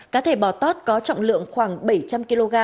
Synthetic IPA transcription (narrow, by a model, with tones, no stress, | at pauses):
kaː˨˦t̪ʰe˧˩ɓɔ˧˩t̪o˦˥t̚kɔ˨˦t͡ɕɔ̰˧˨wŋ͡mlɨ̰˧˨əŋxwaː˧˩ŋɓə˧˩jt͡ɕa˧mki˧lo˧ɣaː˧